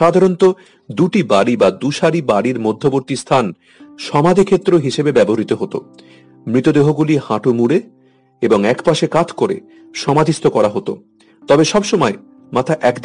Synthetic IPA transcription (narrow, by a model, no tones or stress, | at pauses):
ʃad̪ʱaɾont̪o | d̪uʈibaɽibad̪uʃaɾibaɾiɾmod̪ʱːoboɾt̪ist̪ʰan | ʃɔmad̪ʱikʰet̪ːɾoɦiʃebebɛboɾit̪oɦot̪o̰ | mɾit̪od̪eɦoɡulihaʈumuɾe | eboŋɛkpaʃekad͡ʑʰkoɾḛ | ʃɔmad̪ʱist̪ʰokɔɾaɦot̪o̰ | t̪ɔbeʃɔbʃomɔe | mat̪ʰaʔɛkd̪